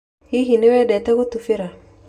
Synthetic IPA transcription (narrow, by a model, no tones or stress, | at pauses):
hiɦinewɛdɛtɛkotufeɾa